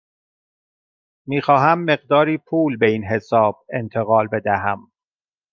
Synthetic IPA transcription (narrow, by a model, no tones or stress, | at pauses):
miːxɒːɦæmːe̞ɢd̪ɒːɾiːpʰuːlbe̞inɦe̞sɒːb̥̚e̞nt̪ʰe̞ɣɒːlbe̞d̪æɦæm